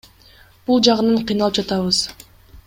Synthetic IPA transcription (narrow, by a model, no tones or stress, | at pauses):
b̥ulˠd͡ʒɑʁɯnɑɴqʰɯjnɑlˠɯp̚d͡ʒɑt̪ɑβɯz̥